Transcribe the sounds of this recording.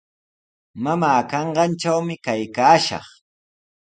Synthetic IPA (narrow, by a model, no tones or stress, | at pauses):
mamaːkɑɴɢɑnʈ͡ʂawmɪkajkaːʃɑ̰χ